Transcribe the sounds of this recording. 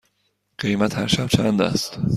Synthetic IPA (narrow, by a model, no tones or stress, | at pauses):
ɢ̥ejmæt̪ʰhæɾʃæb̚t͡ʃʰænd̪æ̰st̪